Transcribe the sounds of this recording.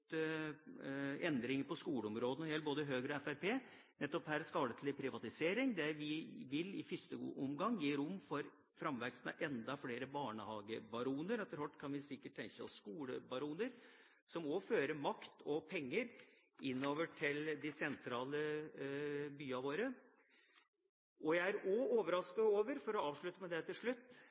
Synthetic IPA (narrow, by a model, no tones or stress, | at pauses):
ɛnd̪ɾɪŋəpɔskuːləɔmɾoːd̪ənɔɾjɛlːboːd̪əɦøːɡɾɔɛfæɾpeː | nɛt̪ːɔphæːɾskɑːlət̪ʰlɪpʰɾɪʋɑt̪ɪseːɾɪŋd̪ɛʋɪʋɪlɪ̰fɪst̪ə̰ʊmɡɑŋːjiːɾʊmːfɔɾ | fɾɑmʋæɡsnɛ̰ʔɛnd̪ɑfleːɾəbɑːɳəhɑːɡəbɑɾuːnəɾɛt̪ːəɾhɔʈːkʰɑnʋɪsɪkːəʈ̪̚ːʰɛŋkəɑ̰sskuːləbɑɾuːnəɾ | sɔmɔføːɾəmɑkt̪ʰɔpʰɛŋːəɾ | ɪnːoːʋəʈʰɪld̪ɪsɛnt̪ʰɾɑːlə | byːɑʋoːɾə | ʔɔjæɪæɾɔoːʋəɾɑskɑoːʋəɾfɔɾɔɑːʋʂɭʉt̪ːəmɛd̪ɛt̪ʰɪlʂɭʉt̪ː